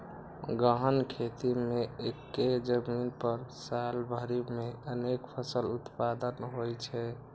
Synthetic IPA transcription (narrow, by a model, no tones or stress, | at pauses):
ɡəɦənkʰet̪imeekːed͡ʒəminpəɾsalbʱəɾimeənekpʰəsəlut̪pad̪ənɦojt͡ʃʰɛ